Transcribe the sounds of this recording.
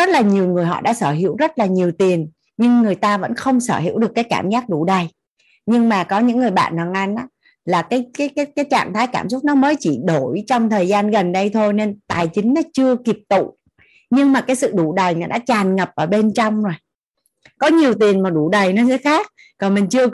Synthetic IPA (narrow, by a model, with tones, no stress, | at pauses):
zə˦˥t̚laː˨˩ɲi˨˩əwŋɨ˨˩əjɦɔ̰˧˨ɗa̰ː˧˥səː˧˩ɦḭ˧˥əwzə˦˥t̚laː˨˩ɲi˨˩əwt̪i˨˩ən | ɲɨ˧ŋːɨ˨˩əjt̪aː˧və̰˧˥nxə˧wŋ͡msəː˧˩hḭ˧˥wɗɨ˨˩əkːjkaː˧˩mzaː˦˥k̚ɗu˧˩ɗə˨˩j | ɲɨ˧ŋmaː˨˩kɔ˨˦ɲɨ̰˧˥ŋːɨ˨˩əjɓa̰ː˧˨nhaː˨˩ŋʔa˧jnʔaː˨˦˥ | laː˨˩kaː˨˦jkaː˨˦jaː˨˦jkaː˨˦jt͡ɕa̰ː˧˨ŋt̪ʰaː˨˦jkaː˧˩msʊ˦˥k͡p̚nɔ˨˦məː˨˦jt͡ɕi˧˩ɗo˧˩jt͡ɕɔ˧wŋ͡mt̪ʰəː˨˩jzaː˧nɣə˨˩nɗə˧jt̪ʰo˧jne˧nt̪aː˨˩jt͡ɕï˨˦ŋ̟nɔ˨˦t͡ɕɨ˧əki˨˩əp̚t̪ṵ˧˨ | ɲɨ˧ŋmaː˨˩kaː˨˦jsɨ̰˧˨ɗu˧˩ɗə˨˩jnɔ˨˦ɗa̰ː˧˥t͡ɕaː˨˩nŋə˨˩p̚ʔəː˧˩ɓe˧nt͡ɕɔ˧wŋ͡mzo˨˩j | kɔ˨˦ɲi˨˩əwt̪i˨˩ənmaː˨˩ɗu˧˩ɗə˨˩jnɔ˧˨˦kə˨˦xaː˦˥k̚ | kɔ˨˩nmï˨˩ŋ̟t͡ɕɨ˧ə